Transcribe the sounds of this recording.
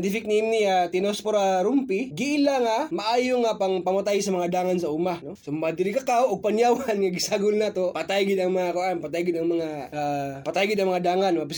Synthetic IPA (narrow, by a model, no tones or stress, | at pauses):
nt̪ifɪk̚niiniat̪inospoɾaɾʊmpiɡiilaŋamaʔaːjoŋapaŋpamat̪ajsamaŋad̪aːŋansaʔumanosomad̪ɪɾikakawʊɡ̚panjawanŋaɡisaɡʊlnat̪opat̪ajɡid̪aŋmaŋakuanpat̪ajɡid̪aŋmaŋaapat̪ajɡɪd̪aŋmaŋad̪aːŋanmap